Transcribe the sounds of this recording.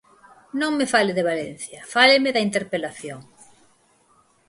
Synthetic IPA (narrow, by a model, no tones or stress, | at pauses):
nõŋmefaleðeβalen̟θjɐfalemeðɐint̪eɾpelaθjoŋ